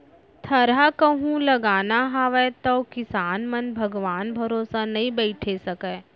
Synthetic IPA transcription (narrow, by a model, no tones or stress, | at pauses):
t̪ʰɐɾakɐɦũlɐɡaːnaɦaʋɛt̪okɪsaːnmɐnbʱɐɡʋaːnbʱɐɾoːsanɐɦĩbɛːʈʰesɐkɛ